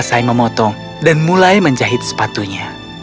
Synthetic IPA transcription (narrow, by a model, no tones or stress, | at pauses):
sajməmɔt̪ɔ | danmulajməɲd͡ʒaɦɪt̪̚sə̥pat̪uɲa